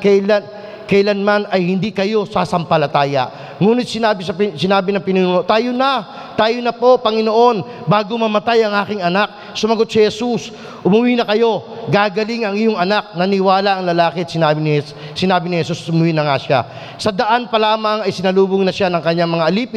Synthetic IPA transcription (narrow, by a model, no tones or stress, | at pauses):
kɛla | kɛjlanmanɐjhɪnd̪ikɐjo̞saːsɐmpɐlɐt̪aːjɐ̰ʔ | ŋuːnɪt̪̚sɪnaːbɪsɐpsɪnaːbɪnɐŋpɪnuːnuːnoʔt̪aːjonɐ | t̪aːjonɐpo̞pɐŋɪno̞ʔo̞n | baːɡomɐmɐt̪ajɐŋʔaːkɪŋɐnak̚ | sʊmɐɡo̞t̪̚sɪhɛsus | ʔʊmuwiːnɐkɐjo̞ɡaːɡɐliŋɐŋɪjoŋɐnak̚nɐnɪwaːlaʔɐŋlɐlaːkɪɛt̪sɪnabɪnɪh | sɪnaːbɪnɪhɛsusʊmʊwinɐŋaʃa̰ | sɐd̪ɐʔanpɐlaːmɐŋɐjsɪnɐluːbʊŋnɐʃanɐŋkɐɲːaŋmɐŋaʔɐliːpɪ